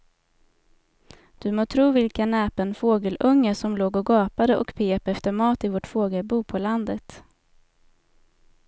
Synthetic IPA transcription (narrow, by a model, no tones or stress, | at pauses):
d̪̥ɵmoːt̪ʰɾuːvɪlkanɛːpənfoːɡəlʔɵŋːəʂɔmloːɡɔɡɑːpad̪əʔɔ̰kpʰeːpɛft̪əɾmɑːt̪ɪvoːʈfoːɡəlbuːpʰɔland̪ət̪